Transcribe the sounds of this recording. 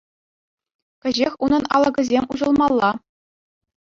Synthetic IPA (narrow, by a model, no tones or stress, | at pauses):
kʲɘ̆ʑexʲunɤ̆nɑ̰lˠɤ̆ɡɤ̆zʲemʲuʑɤ̆lˠmɑlˠːɑ